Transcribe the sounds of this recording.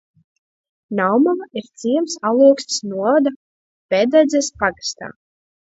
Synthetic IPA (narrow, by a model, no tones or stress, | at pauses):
nawmamiɾt̪siɛmsalˠuɔkst̪snuɔvad̪a | pʲɛd̪ɛd̪zɛspaɡast̪a̰ː